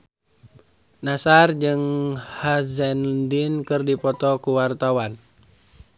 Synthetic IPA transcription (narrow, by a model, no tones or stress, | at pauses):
nasard͡ʒɨŋhazɛndinkɨrdipɔt̪ɔkuwart̪awan